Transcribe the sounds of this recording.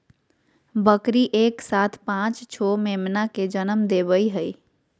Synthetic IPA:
bəkɾiʔeksat̪ʰpãt͡ʃt͡ʃʰomemnaked͡ʒənəmd̪eβəjɦəj

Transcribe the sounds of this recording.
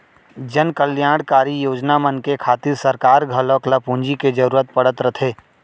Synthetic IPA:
d͡ʒənkəljaːɽkaːɾijoːd͡ʒnamənkekʰaːt̪ɪɾsɐɾkaːɾɡʱɐlɔːkləpũːnd͡ʒiked͡ʒɐɾuːɾət̪̚pɐɽət̪ɾət̪ʰeː

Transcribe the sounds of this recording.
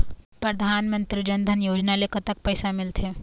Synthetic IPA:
pɾəd̪ʱanmənt̪ɾid͡ʑənd̪ʱənjod͡ʑnalekət̪ək̚pəjsamilt̪ʰe

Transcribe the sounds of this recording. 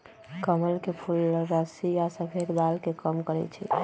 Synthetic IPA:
kəməlkepʰuɾəsijasəpʰed̪balkekəmkəɾɛ̰t͡ʃʰɛ̰

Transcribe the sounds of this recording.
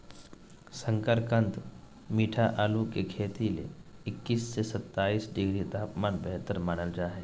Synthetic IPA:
sə̃ŋkəɾkə̃nt̪ | miːʈʰaʔaːlukekʰeːt̪ilḛɪkːiːsːesət̪ːaːiːsɖɪɡɾid̪ʱaːpmaːnbɛɦt̪əɾmaːnəld͡ʒaːɦeː

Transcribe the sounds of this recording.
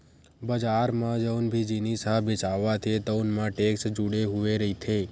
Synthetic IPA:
bəd͡ʒaɾmãd͡ʒəwnbʱid͡ʒinisabesaʋːat̪ʰet̪əwnmãʈeksd͡ʒuɽeɦuʋeɾəɦit̪ʰe

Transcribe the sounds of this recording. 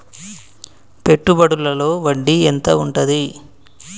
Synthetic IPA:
pe̞ʈːubɐɽulɐlo̞ːʋɐɖːient̪ɐuɳʈɐd̪i

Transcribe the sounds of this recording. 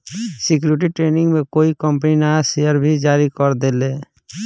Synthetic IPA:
sɪk̬juːɾɪʈ̬iʈɾeːnɪ̃ŋɡmẽkoːikəmpninasejəɾbʱid͡ʒaːɾikɔɾd̪eːleː

